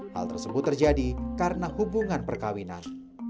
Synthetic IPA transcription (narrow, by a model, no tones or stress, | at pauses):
ha̰lt̪ərsəbʊt̪ːərd͡ʒadikaɾənahubuŋanpərkawina̰n